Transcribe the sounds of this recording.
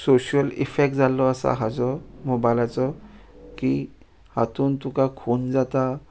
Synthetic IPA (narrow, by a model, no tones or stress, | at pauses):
soɕijəlḭfek̚ʈd͡zalɔasa̰ɦad͡zɔmɔbajlat͡sɔ | ki | hat̪uːnt̪ukakʰond͡zat̪a